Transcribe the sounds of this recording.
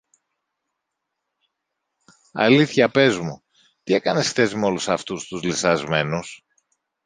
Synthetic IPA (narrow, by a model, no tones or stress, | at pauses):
ɐ̰liθçɐpe̞zmu | t̪ie̞kɐne̞sxθe̞zmo̞lusɐft̪ust̪uzlisɐzme̞nus